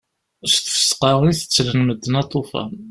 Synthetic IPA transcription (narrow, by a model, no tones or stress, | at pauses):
ʃθfsqɑʁiθə̥t͡sːlənməd̪ːənɑt̪ˤːofɑ̰